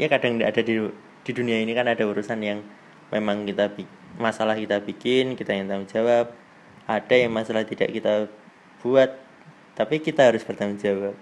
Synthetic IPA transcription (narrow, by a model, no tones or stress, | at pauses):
jakadaŋa̰dadi | d̥iduniainikanadauɾusanjaŋ | memaŋkit̪abi | masalahkit̪abikɪnkit̪ajŋt̪aʊŋd͡ʒawap̚ | ʔad̥ajaŋmasalaht̪ida̰ʔkit̪a | b̥uat̪̚ː | apikit̪aɦaɾʊsb̥ərt̪aʊŋd͡ʒawap̚